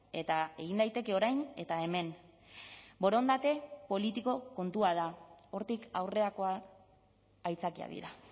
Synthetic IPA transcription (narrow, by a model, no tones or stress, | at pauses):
e̞t̪ae̞ɣind̪ajt̪e̞ke̞o̞ɾajne̞t̪ae̞me̞n | bo̞ɾo̞nd̪at̪e̞po̞lit̪iko̞ko̞nt̪uað̞ao̞ɾt̪ikawre̞ɾako̞a | jt͡sakia̰ðḭɾa